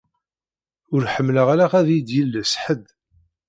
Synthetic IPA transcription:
ʊɾħəmːləʁaɾaʁæðjid̪jilːəsħəd̪

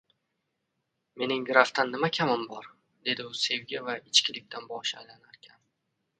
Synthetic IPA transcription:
me̞nɪŋɡɾaft̪anːɪmakʲʰamɪmbɒɾ | d̪e̞d̪ɪʊse̞wɡʲavaɪt͡ʃkʲɪlɪk̚ʲt̪ʰanbɒʃaajlanaɾkʲʰan

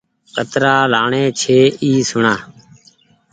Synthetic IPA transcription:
kət̪ɾaːlaːɳeːt͡ʃʰeːiːsʊɳaː

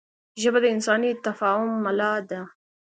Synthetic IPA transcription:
ʒəbad̪əɪnsɑːnit̪afɑːhʊmːalɑːd̪a

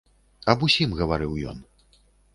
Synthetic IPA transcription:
ɐbusʲimɣɐvaɾɨwjɔ̰n

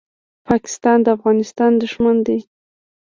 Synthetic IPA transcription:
pʰɑkɪ̥st̪ɑnd̪əafɣɑnɪst̪ɑnd̪əʒmand̪e

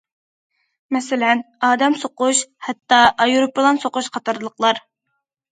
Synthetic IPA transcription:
mɛsɪlɛnɑːd̪ɛmsoqʊʃhɛt̪ːɑʔɑjɾopːɨlˠɑnsoqʊʃqʰɑt̪ʰɑɾlˠəqlˠɑɾ

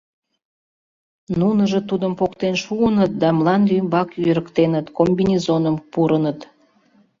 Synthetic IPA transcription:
nunəʒet̪ud̪əmpokt̪enʃuənət̪̚d̪ɑmlɑnlymbɑkøɾəkt̪enət̪kombinʲezonəmpuɾənət̪

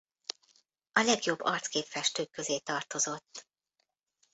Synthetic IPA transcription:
ɒlɛɡjobːɒrt̪skeːpfɛʃt̪øːkːø̞zeːt̪ɒrt̪o̞zo̞t̪ː

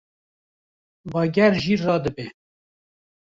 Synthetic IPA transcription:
bɑːɡɛɾʒirɑːd̪ɨbe

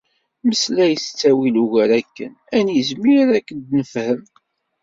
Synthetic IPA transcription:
məslæjəst͡sːæwiluʝæɾækːən | ænjəzmiɾɾækːənd̪nəfhəm

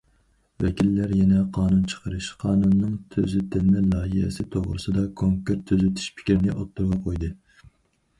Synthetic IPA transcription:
vɛkʲilːæɾjɛnɛqʰɑːnunt͡ʃʰə̥qʰəɾɨʃqʰɑːnunːɨŋt̪ʰøzyt̪ʰɪnɪnɪlˠɑːɦihɪ̰sɪt̪ʰoʁɾɨsɨd̪ɑkʰoŋkeɾt̪ʰːøzyt̪ʰy̥ʃpʰɪ̥kʲɾɪnɪʔot̪ːuɾʁɑqʰojd̪ɨ

